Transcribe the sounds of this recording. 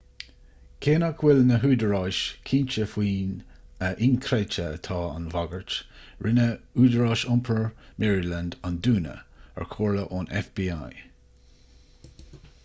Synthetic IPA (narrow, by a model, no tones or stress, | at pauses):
kʰeːnakʰwɪlnəɦuːdəɹɑːʃkʰiːnt͡ʃəfwiːnəʔɪnkʰɾɛt͡ʃəət̪ʰɑːa̰nvaɡəɹt | ɹʔɪnəuːdəɹɑːʃʊmpʰəɹmɛɹilandanduːnə̰ɛ̰ɹkʰoːɹləʔoːnʔɛ̰fb̥iːa̰j